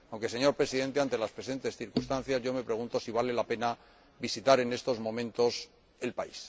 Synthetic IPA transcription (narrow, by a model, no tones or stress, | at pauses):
awŋke̞se̞ɲo̞ɾpɾe̞siðe̞nt̪e̞ant̪e̞laspɾe̞se̞nt̪e̞sθiɾkust̪anθjazʝo̞me̞pɾe̞ɣunt̪o̞siβ̞ale̞lape̞na | βisit̪aɾe̞ne̞st̪o̞zmõ̞mẽnt̪o̞s | e̞lpais